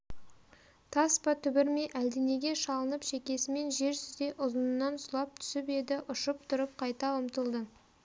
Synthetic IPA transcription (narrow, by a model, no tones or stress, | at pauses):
t̪ʰɑspɑt̪ʰʏbɪɾmeʔæld̪ene̞ɡʲe̞ʃɑlˠənəpʃe̞kʲe̞sɪme̞nʒe̞ɾsʏzd̪e̞ʔʊzənənːɑnsʊlˠɑp̚t̪ʰʏ̥sɪpe̞d̪ɪʔʊʃəp̚t̪ʰʊɾəp̚qʰɑjt̪ɑʊmt̪əlˠd̪ə